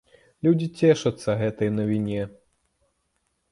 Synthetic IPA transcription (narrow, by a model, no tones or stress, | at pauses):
lʲud͡zʲit͡sʲɛʂɐt̪sːɐɣɛt̪ɐjnɐvʲinʲɛ